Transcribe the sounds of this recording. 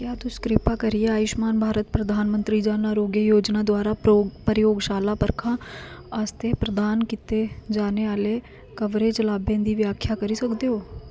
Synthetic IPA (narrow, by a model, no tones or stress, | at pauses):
kjaːt̪oskɾɪpaːkəɾɪjeaːɪʃmaːnbʱaːɾət̪̚pɾəd̪ʱaːnmə̃nt̪ɾiːd͡ʒaːnaːɾoːɡjəjoːd͡ʒnaːd̪ʊaːɾaːpəɾjoːɡʃaːlaːpəɾkʰãːast̪eːpɾəd̪aːnkit̪ed͡ʒaːneːaːleː | kəʋɾeːt͡ʃəlaːbẽːd̪iːʋɪjaːkʰjaːkəɾiːsəkd̪eɦoː